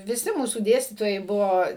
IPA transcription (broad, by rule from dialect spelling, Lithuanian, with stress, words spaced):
ʋʲɪˈsʲɪ ˈmuːsuː ˈdʲeːsʲtʲiːtoːjɛɪ ˈbʊʋoː